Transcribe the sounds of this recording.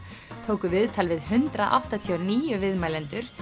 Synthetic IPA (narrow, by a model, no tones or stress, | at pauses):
t̪ʰoːwkʏvɪðt̪ʰalvɪðhʏnt̪ɾaʔa̰wht̪at̪ʰiɔniːjʏvɪðmaːjlɛnt̪ʏɾ̥